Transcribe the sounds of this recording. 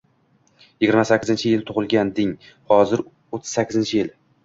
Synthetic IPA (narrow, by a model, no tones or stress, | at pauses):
jɪɡʲɪɾmasakʲːɪzɪnt͡ʃʰɪjɪlt̪ʰʊʁɨlˠɡʲand̪ɪŋ | hɒzɪɾ | ot̪ʰːɪ̥z̥sakʰʲːɪzɪnt͡ʃʰɪjɪl